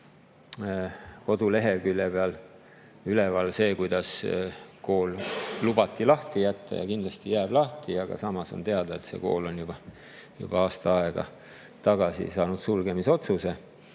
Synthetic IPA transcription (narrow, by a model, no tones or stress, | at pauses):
ko̞d̪̥ule̞ɦe̞lkylʲːeb̥eɑl | ylevɑlse̞ːkujd̪̥ɑsko̞ːllub̥ɑt̪ːˑilɑht̪ijæt̪ːɑ̰jɑ̰kind̪lɑst̪ijæːblɑht̪iɑɡ̥ɑ̰sɑmɑso̞̰nt̪e̞ɑd̪̥ɑet̪se̞̰ko̞̰ːlo̞njub̥ɑ | jṵb̥ɑɑːst̪ɑɑe̞ɡ̥ɑ̰ | t̪ɑɡ̥ɑsḭsɑːnud̪̥sulɡe̞miso̞t̪suse̞